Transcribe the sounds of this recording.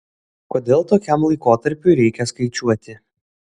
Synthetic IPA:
koːd̪ʲeːlˠt̪oːkʲæˑmlˠɐɪkoːt̪ɐɾʲpʲʊɾʲɛɪkʲɛskɐɪt͡ʃʲuɔt̪ʲɪ

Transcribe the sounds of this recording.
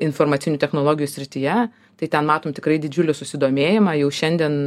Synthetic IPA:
ɪnfoːrmɐt̪sʲɪnʲʊːt̪ʲɛxnoːlˠoːɡʲɪjuːsʲɾʲɪt̪ʲɪjɛ | t̪ɐɪt̪ʲɛnmɑːt̪oːmt̪ʲɪkɾɐɪd̪ʲɪd͡ʒʲʊlʲɪsʊsʲɪd̪oːmʲeːjɪmɑjɛʊʃʲɛnʲd̪ʲiɛn

